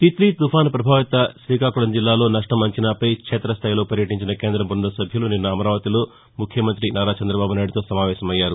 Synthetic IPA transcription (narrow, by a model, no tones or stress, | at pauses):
t̪it̪lit̪upaːnpɾɐbʱaːʋit̪ɐʃɾiːkaːkuɭɐmd͡ʒilːaːlo̞ːnɐʂʈɐmɐɲt͡ʃinaːpɐjkʂɛːt̪ɾɐst̪ʰaːjilo̞ːpɐɾjɐʈiɲt͡ʃinɐkeːnd̪ɾɐmbund̪ɐsɐbʱjɐluninːɐːmɐɾaːʋɐt̪iloː | mukʰjɐmɐnt̪ɾinaːɾaːt͡ʃɐnd̪ɾɐbaːbunaːjiɽit̪o̞ːsɐmaːʋɛːsɐmɐjːaːɾu